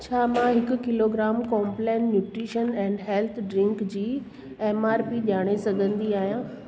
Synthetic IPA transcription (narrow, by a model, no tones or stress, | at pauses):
t͡ɕʰaːmãɦɪkʊ̆kɪloːɡɾaːmkɔːmplẽːnːjuːʈɾiːʃənɛ̃ːɳɖɦelt̪ʰɖɾɪ̃ŋkd͡ʑiː | eːmaːɾpiʄaːɽ̃esɐɡʱə̃nd̪iaːɦijãː